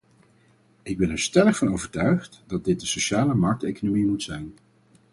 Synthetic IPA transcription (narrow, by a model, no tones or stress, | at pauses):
ɪɡ̚bɛnɛɹstɛləχfɑnowvəɹtœɥχtdɑd̚dɪt̚dəsoʃaːləmɑɹk̚tejkonomimutsɛjn